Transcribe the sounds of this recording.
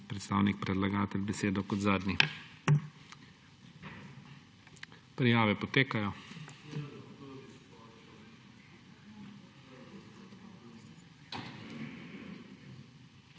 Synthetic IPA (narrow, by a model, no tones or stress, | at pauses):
pɾɛt̪st̪aːwnik̚pɾɛd̪laɡaːt̪ɛlʲbɛseːd̪ɔkɔd̪zaːd̪nʲi | pɾɛjaːʋɛpɔt̪eːkajɔ